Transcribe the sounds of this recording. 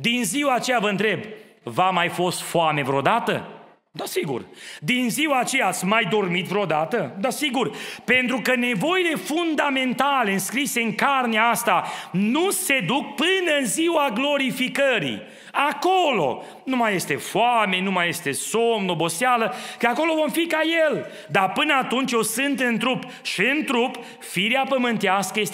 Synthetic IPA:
d̪inziwaːt͡ʃe̞javəɨnt̪ɾe̞b | vamajfo̞st̪foame̞vɾeod̪at̪ə̰ | d̪asiɡṵrd̪inziwaːt͡ʃe̞jaat̪sʲmajd̪o̞rmit̪vɾeod̪at̪əd̪asiɡurpe̞nt̪ɾukəne̞vo̞ile̞fund̪ame̞nt̪ale̞ɨnskɾise̞ɨŋkarneaast̪anuse̞d̪uk̚pɨnəɨnziwaɡlo̞ɾifikəɾḭ | akolo̞̰ | numaje̞st̪e̞foame̞numajest̪e̞somnobo̞sealəkəako̞lo̞vo̞mfikajel | d̪apɨnəat̪unt͡ʃjosɨnt̪ɨnt̪ɾup | ʃiɨnt̪ɾup | fiɾiapəmɨnt̪easkəjest̪e

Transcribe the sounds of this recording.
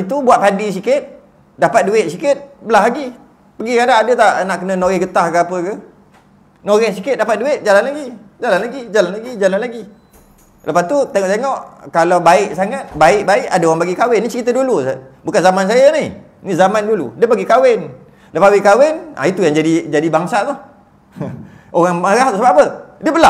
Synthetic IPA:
it̪ubuat̪̚padis̬ikɪt̪̚ | dapat̪̚duɪʔsikɪt̪̚bəlaɦlaɡi | pəɡikadaːdət̪aʔnaʔkənə̃noɣɛhɡət̪ahkəapəkə | noɣɛhsikɪt̪̚dapat̪̚duɪʔ̚d͡ʒalanlaɡid͡ʒalanlaɡid͡ʒalanlaɡid͡ʒalanlaɡi | ləpast̪ut̪eŋɔʔt̪eŋɔʔkalawbaɪʔsaŋat̪̚baɪʔbaɪʔadəoɣaŋbaɡikawɪnːit͡ʃəɾit̪ədulubukanzamans̬ajanih | nizamandulṵdəbaɡikawɪn | ləpawɪkawɪna̰it̪ujaŋd͡ʒadid͡ʒadibaŋsat̪ʊh | ʔoɣaŋməɣaɦt̪usəbapədiəbəla

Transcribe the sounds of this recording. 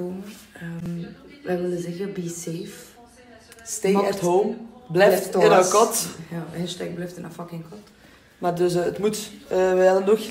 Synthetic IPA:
om | əmʋɛʋɪlˠəzɛɣəbiseːf | stetɦoːmblɛjftɪnakɔtjahɛstɛk̚blɛjftɪnafɑkɪŋkɔt | mardøs̬ətmutəːʋɛɛdəndɔx

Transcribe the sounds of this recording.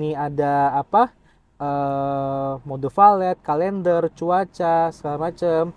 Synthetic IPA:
niadaːpa | ə | modɔfalɛt̪̚kalɛndərt͡ʃuat͡ʃasə̥kalamat͡ʃəm

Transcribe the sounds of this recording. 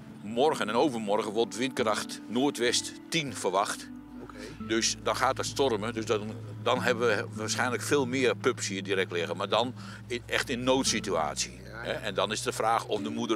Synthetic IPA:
mɔrɣənɛnowvərmɔrɣənʋɔtʋɪntkəraxtnoːtʋɛsttinfərʋaxt | døsdɔnxaːtəstɔrmədøsdɔ | dɔnɦɛbəʋəʋaːsxɛjnləkfeːlˠmɪːərpøpshiədiɾɛk̚tlɪɣənmaːɹdɔn | ɛxtɪnnowtsitya̰ːsjḭ | hɛʔɛndɔnɪsdəfraːxɔfdəmudə

